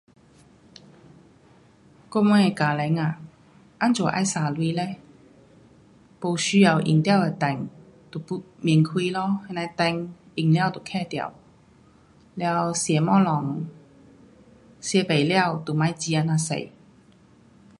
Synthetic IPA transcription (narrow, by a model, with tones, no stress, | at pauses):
kɔ˥˧mwɔ˧˦ɛ˨˧kaː˨˩lɛ˨˦ŋa˨ | ʔa˦˥nt͡swɔ˨˩ʔa̰˧˩jsaː˨˩lwiː˧˦lɛ˧˩ | po˧wɕy˧˦ja˨˩wʔḭ˨˩ŋt̪ja˥˧we˨˩t̪ɛ˨˩ŋ | t̪u˨˩pu˧˥ | mi˨˩əŋkʰwiː˧lɔ˧˦hɛ˧na˧t̪ɛ˧ŋ | i˨˩ŋlja˥˩˨wt̪u˨˩kʰɛ˥˧˩t̪ja̰˨˩w | lja˧wsjɛ˨˩mɔ˥lɔ˨˩ŋ | sjɛ˧˦pe˨jlja˥˧wt̪u˨˩mã˧˥jt͡ɕi˧a˧˩na˧sḛ˨˩j